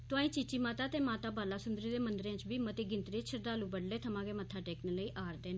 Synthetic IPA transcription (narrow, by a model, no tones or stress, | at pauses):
t̪ʊãːĩːt͡ʃɪt͡ʃːiːmaːt̪aːt̪eːmaːt̪aːbaːlaːsʊnd̪ɾiːd̪eːmənd̪ɾjãːt͡ʃbiːmət̪eːɡɪnt̪ɾeːt͡ʃʰəɾd̪aːlũːbəɽleːt̪ʰəmãːɡeːmət̪ʰːaːʈɛːkneːləiːʔaːɾd̪eːn